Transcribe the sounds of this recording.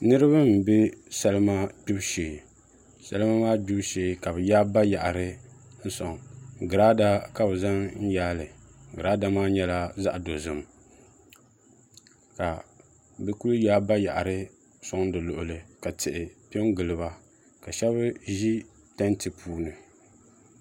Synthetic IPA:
nɨ˦ɾɨ˦bɨ˦m̩˨be˦sɛ˦lɨ˦ma˦ɡ͡bu˦bʃeː˨ | sa̰˦lɨ˦ma˦maː˦ɡ͡bu˦bʃeː˨ka˨bɨ˨jaː˦ba˦ja˨ʔa˨ɾɨ˦n̩˦sɔ˨ŋɡɨ˨ɾaː˦da˦ka˦bɨ˨za˦ŋn̩˦jaː˦lɨ˨ɡɨ˨ɾaː˦da˦maː˦ɲɛ˦la˦za̰˦ʔdo˨zɨ˨m | ka˨ | bɨ˦ku˦ljaː˦ba˦ja̰˨ʔa˨ɾɨ˦ | sɔ˦ŋdɨ˨lʊ˨ʔʊ˨lɨ˨ka˨tɪ˨ʔɪ˨pi˦ɛ˦ŋɡɨ˨lɨ˨ba˦ | ka˨ʃɛ˦βɨ˦ʒi˦ | ta˦ntɨ˨pʰuː˦nɨ˨

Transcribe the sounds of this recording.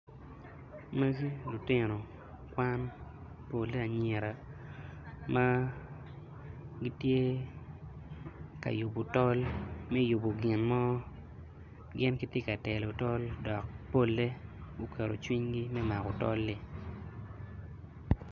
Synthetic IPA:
me˦ɡi˦lu˨tɪ˦no˨ | kwa˦n | po˨lːe˦a˨ɲe˨ɾa˨ | ma˦ | ɡi˦tje˦ | ka̰˨jʊ˨bo˨tɔ˦lmɛ˦jʊ˨bo˨ɡɪ˨nmɔ˦ | ɡɪ˦nki˦tje˦ka˨tɛ˨lo˨tɔ˦ldɔ˨k̚po˦lːe˦o˨kʰɛ˨ɾo̰˨t͡ʃwi˦ɲɡi˦mɛ˦ma˨ko˨tɔ̰˦lːɪ˦

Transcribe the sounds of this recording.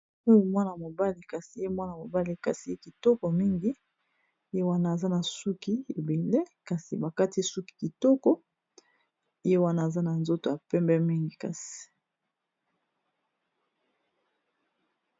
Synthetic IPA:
o˦jo˨mwa˦na˨mo˨ba˦li˨ka˨si˨je˦mwa˦na˨mo˨ba˦li˦ka˨si˨je˦ki˨tɔ˦kɔ˨mi˦ŋɡi˦ | e˦wa˦naː˦˨za˦na˨su˦ki˦e˨be˨le˦ka˨sḭ˨ba˨ka˦ti˦su˦ki̥˨ki˨tɔ˦kɔ˦ | i˦je˦wa˦na˨za˦na˨nzo˦to˨ja˨pɛ˦mbɛ˦mi˦ŋɡi˨ka˨si̥˨

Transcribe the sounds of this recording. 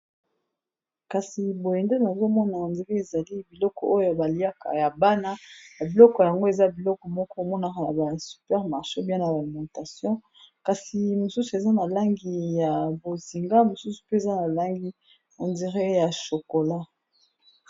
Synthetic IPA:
ka˨si˨bo˨jɛ˨nde˦na˨zo˦mɔ˦na˨a˨ndi˨ʁe˦e˨za˨li˦bi˨lɔ˦kɔ˨o˦jo˦a˨ba˨li˨˦a˦ka̰˨ja˨ba˦na˦ba˨bi˨lɔ˦kɔ˨ja˨ŋɡo˦e˨za˦bi˨lɔ˦kɔ˨mɔ˦kɔ˦˨mɔ˦na˨ka˨na˨ba˨sy̥˨pɛ˦ʁma˨ʁʃe˦bjɛ̃˦na˨ba˨li˨mɑ̃˨ta˨sjɔ̃˦ | ka˨si˨mo˨su˦su˨e˨za˦na˨la˦ŋɡi˨ja˨bo˨zi˨ŋɡa˦mo˨su˦su̥˨pe˦e˨za˦na˨la˦ŋɡi˦ | na˨ndi˨ʁe˦ja˨ʃo˨ko˨la˦

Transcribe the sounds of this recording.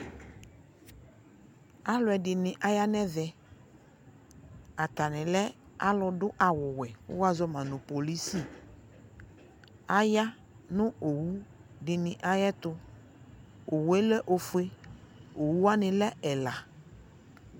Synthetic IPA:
a˦lʊ˨˦ɛ˨dɪ˨nɪ̃˨ʔa˦ja˦nɛ˦vɛ˦ | a˨t̪a˨nɪ̃˨lɛ˦ | a˦lɔ˨ɖʊ˦ʔa˨wʊ˨wɛ˨ʊ̰˦wa˦zɔ˦mã˨nʊ̃˨po˨li˦si˦˨ | a˦ja˦ | nʊ̃˦o˨wu˦ɖɪ˨nɪ̃˨ʔa˦jɛ˦t̪ʊ˦ | o˨wɛ˦lɛ˦ʔo˨fʊ˦e˦o˨wu˦a˦nɪ̃˨lɛ˦ɛ˨la˨

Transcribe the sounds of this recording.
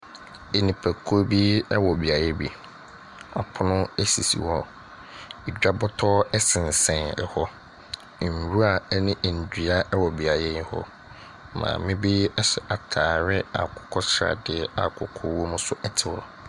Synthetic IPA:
e˨nĩ˨pʰæ˨kʰo˦bi˦ɛ˦wɔ˨bi˨a˨jɛ˦bi˨ | a˨pʰʊ˦nʊ̃˦ɛ˦sḭ˨sḭ˨wɔ˦ | e˨d͡ʑᶣa˦bɔ˦tʰɔː˦ɛ˦sɪ̃˨n̩˨sɛ̃˨ɛ˨hɔ˦˨ | ɾu˦a˨˦nĩ˦ʔn̩˨dᶣi˨a˦ʔɛ˦wɔ˨bi˨a˨jɛ˦jɪ̃˦hɔ̰˦ | mã̰ː˨mɪ̃˦bi˦ɛ˦sɛ˨ʔa˨tʰaː˨ɾɪ˦a̰˨kʰɔ̥˨kʰɔ˦sɾa̰˨dɪ˨ɛ˦a̰˨kʰʊ˨kʰɔ˦wɔ˦mũ˦sʊ˦ɛ˦tʰɪ˨wɔ˨

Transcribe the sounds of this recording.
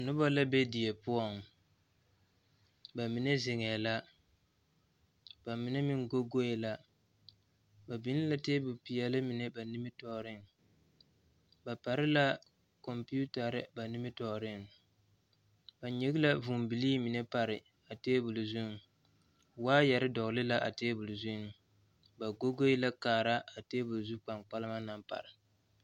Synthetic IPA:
nʊ˦ba˦la˦be˦di˨e˨pʊ˦ɔ˦˨ŋ | ba˨mi˨nɛ˦zɪ˨ŋɛː˨la˦ | ba˨mi˨nɛ˦mi˨ŋɡo˦ɡo˦e˨la˦ | ba˨bi˦n˦la˦teː˦bʊ˨pi˨jɛ˨lɨ˦mi˨nɛ˦ba˨nɪ˦mɪ˦tɔ˨ɾɪ˦ŋ | ba˨pa˨ɾɪ˦la˦ | kɔ˨mpi˦u˦ta˨ɾɨ˦ba˨nɪ˦mɪ˦tɔ˨ɾɪ˦ŋ | ba˨ɲi˦ɡɪ˦la˦vu˨mbi˨liː˦mi˨nɛ˦pa˨ɾɪ˨ | a˨teː˦bʊ˨lzu˦ŋ˨ | waː˦jɛ˨ɾɪ˦dɔ˨ɣlɨ˦la˦ʔa̰˨teː˦bʊ˨lzu˦n˨ | ba˨ɡo˦ɡo˦ɪ˦la˦kaː˨ɾa˦a˨teː˦bʊ˨lzu˦k͡pa˨ŋk͡pa˦lɨ˦ma˦na˦mpa̰˨ɾɪ˨

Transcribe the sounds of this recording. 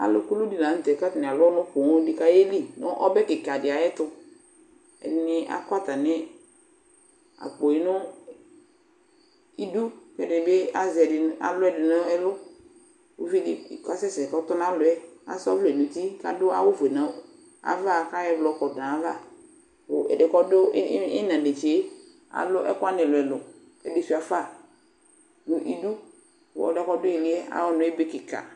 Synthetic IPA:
a̰˨lʊ̰˨ku˦lʊ˦di˨nã˨˦t̪ɛ˨ka˦tnɪ˨a˨lʊ˦nʊ̃˦ko˨ŋo˦dɪ˨ka˦je˦li˦nʊ˦ʔɔ˦bɛ˦kɪ˨ka˨dɪ˨a˨jɛ˦t̪ʊ˦ | ɛ̰˨ɪ˨nɪ˦a̰˦ka˦t̪a˨nɪ˦ | a̰˨k͡po˨ɛ˨nʊ˦ | i˦du˦kɛ˦dɪ˨be˦a˦zɛ˨dɪ˨˦a̰˨lʊ˦ɛ˦dɪ˨nʊ˦ɛ˦lʊ˦ | o˦fi˦dɪ˦˨ka˦sɛ˦sɛ˨kɔ˦t̪ɔ˦n˦a˦lʊ˨ɛ˦a̰˨sɔ˦vlʊ˨ɛ˨nũ˨t̪i˦ka̰˦dʊ˦a̰˦wʊ˦vɛ˨nã˨ | a̰˨va˦˨ka˦jɛ˦blɔ˨˦kɔ˨dã˨a˦va˦ | wʊ˨ɛ̰˨dɛ˨kɔ˦dʊ˦ɪ˦nã˨dɪ˨t͡ʃe˨˦ | a̰˨lʊ˦ʔɛ̰˦kʊ˦a˦nɪ̃˨lʊ˨ɛ˨lʊ˨ | kɛ˨di˨fi˨a˨fa˦˨ | nʊ˨ʔi˦du˦ | wʊ̰˨ɔ̰˨dɛ˨kɔ˦dʊ˦i˨lɪ˦ɛ˦a̰˦wɔ˦nʊ̃˨˦e˦be˦kɪ˨ka̰˨

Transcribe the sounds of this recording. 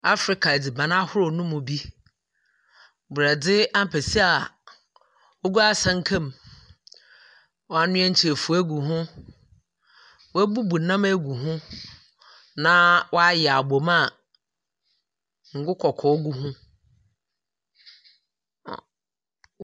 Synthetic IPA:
a˦fɾɪ˨kʰa˨e˨di˨bã˨nã˦hʊ˦ɾʊ˨nʊ̃˦mʊ̃˨bi˦ | bu˨a˨dɪ˦a˦m˨pʰɛ˨si˦a˨ | o˦ɡu˦a˦sã˦ŋ̩˦kʰɛ̃˦˨m | wɔ˨˦a˨nʊ̃˦ɛ̃˦ɲ̩˦t͡ɕʰɪ˨e˨fu˨æ˦ɡu˨ɦʊ̃˦ | wæ˦bu˦bu˨nã˦mæ˦ɡu˨ɦʊ̃˦ | nã˦wʔɔ˦a˦jɛ˨a˨bo˨ma˦˨ | ŋ̩˨ɡʊ˦kʰɔ˨kʰɔ˨˦ɡu˦ɦʊ̃˦˨

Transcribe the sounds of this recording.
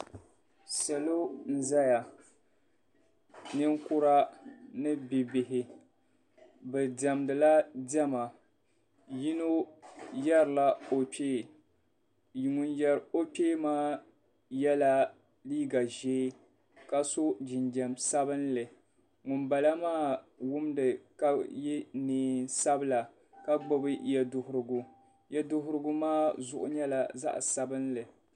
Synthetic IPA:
sa˨lo˦n̩˦za˦ja˨ | nɨ˦ŋkʊ˦ɾa˦nɨ˦bi˨bɪ˨ɦɪ˨ | bɨ˨dɛ˨mdɨ˨la˦dɛ˦ma˨ | ji˦no˦jɛ˦ɾla˦o˨peː˦˨ | ŋʊ˨njɛ˦ɾo˦pʲeː˦maː˦ | jɛ˦la˦ | liː˦ɡa˨ʒeː˦ | ka˦so˦d͡ʒɪ˨ndɛ˨msa˦bɨ˦nlɨ˨ | ŋʊ˨nba˨la˦maː˦wʊ˦mdɨ˨ka˦jɛ˦neː˨nsa˦bɨ˦la˨ | ka˦ɡ͡bɔ˦bɨ˦jɛ˦dʊ˨hʊ˨ɾɨ˦˨ɡʊ˦ | jɛ˦dʊ˦ɦʊ˦ɾɨ˦ɡʊ˦maː˦zʊ˨ʔʊ̰˨˦ɲɛ˦la˨za̰˦ʔsa˦bɨ˦nlɨ˨

